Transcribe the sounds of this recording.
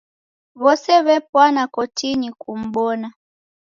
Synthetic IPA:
βɔsɛβɛpwanakɔtiɲikum̩ɓɔna

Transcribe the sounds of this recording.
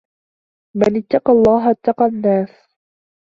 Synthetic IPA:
manɪt̪ːɑqɑlˤːɑːɦʔat̪ːɑqɑnːaːs

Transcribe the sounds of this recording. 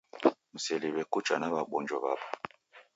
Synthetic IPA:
m̩selibɛkut͡ʃʼa̰naɓaɓɔnd͡ʒɔɓa̰ɓa

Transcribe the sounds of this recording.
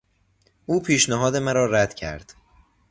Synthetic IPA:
uːpʰiːʃnæɦɒːd̪emæɾɒːɾæd̪̥cʰæ̰ɾd̪̥

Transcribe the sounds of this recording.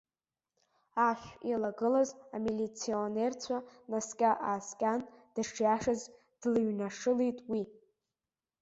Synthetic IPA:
aʃʷᶣjalaɡɨlazamilit͡sʰionert͡sʷʰanaskʲʼaʔaːskʲʼand̥aʈ͡ʂʰjaʂɨz | d̥lɨɥnaʂɨlijtʼwi

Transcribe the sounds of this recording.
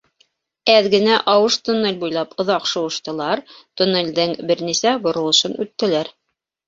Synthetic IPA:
æðɡɘ̆næʔɑwɤʃt̪ŏnːɘlʲbujlˠɑpŏðɑqʃŏwɤ̆ʃt̪ɤ̆lˠɑɾt̪ŏnɘ̆lʲd̪ɘŋbɘ̆ɾnisæbŏɾŏlˠɤ̆ʃɤnʉt̪ːɘ̆læɾ

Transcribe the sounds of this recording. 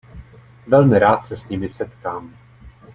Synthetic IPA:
vɛlmɪɾaːt̪sɛsɲɪmɪsɛt̪kaːm

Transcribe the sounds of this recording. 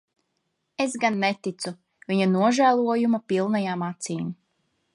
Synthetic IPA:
esɡanːet̪it̪su | viɲanuɔʒæːlˠuɔjumapilˠnajaːmat̪siːm

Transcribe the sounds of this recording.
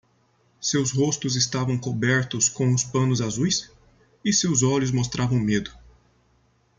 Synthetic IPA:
sewsɦost̪ʊzɪst̪avɐ̃w̃kobɛɾt̪ʊskõw̃ʊspɐ̃nʊzazujs | ɪsewzɔʎʊzmost̪ɾʔavɐ̃w̃med̪ʊ

